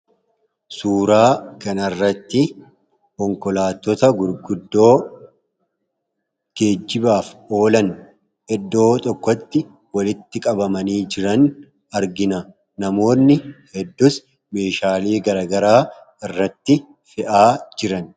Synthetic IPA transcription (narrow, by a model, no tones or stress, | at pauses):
suːɾaːkɐnɐrːɐt̪ːɪ | kɔŋkɔlaːt̪ːɔt̪ɐɡʊɾɡʊd̪ːo̞ː | ɡ̥e̞ːd͡ʒːɪbaːfo̞ːlɐn | ʔɛd̪ːo̞ːt̪ʼɔkːɔt̪ːɪ | wɐlɪt̪ːɪkʼɐbɐmɐniːd͡ʒɪɾɐn | ɐɾɡɪnɐ | nɐmo̞ːnːɪhɛd̪ːʊs | me̞ːʃaːliːɡɐɾɐɡɐɾaː | ɪrːɐt̪ːɪ | fɪʔaːd͡ʒɪɾɐn